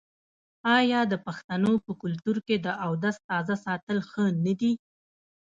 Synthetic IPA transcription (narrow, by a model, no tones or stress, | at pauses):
ɑjɑd̪əpaxt̪anopəkʊlt̪uɾked̪əʔawd̪ast̪ɑzasɑt̪əlxənad̪i